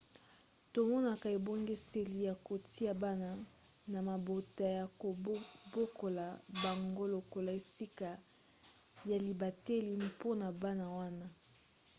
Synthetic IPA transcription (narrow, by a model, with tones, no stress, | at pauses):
to˨mɔ˦na˦ka˨e˨bo˦ŋɡe˦se˨li˨ja˨ko˨tʰi˦a˦ba˦na˦ | na˨ma˨bo˨ta˨ja˨ko˨˦bo˦ko˨la˨ba˨ŋɡo˦lo˨ko˨la˨e˨si˦ka˨ | ja˨li˨ba˨te˦li˦po˦na˨ba˦na˦wa˦na˦